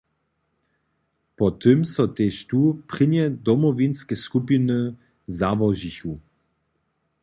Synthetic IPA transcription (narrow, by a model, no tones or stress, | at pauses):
pɔt̪ɨmsɔt̪eʃt̪upʁ̥ɪnjɛd̪ɔmɔvinskɛskupinɨ | zavɔʒiçu